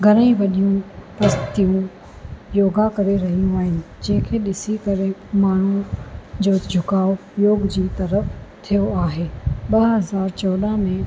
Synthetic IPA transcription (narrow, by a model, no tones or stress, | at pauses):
ɡʱɐɾəĩʋɐɗijũpɐst̪ijũ | joːɡakɐɾeɾɐɦijũaːɦɪnɪ | d͡ʑẽːɪ̃kʰeɗɪsikɐɾemaːɳ̤ũd͡ʑoːd͡ʑʱʊkaːojoːɡd͡ʑiːt̪ɐɾəft̪ʰijoaːɦeːɓɐɦɐzaːɾt͡ɕɔːɗ̪amẽ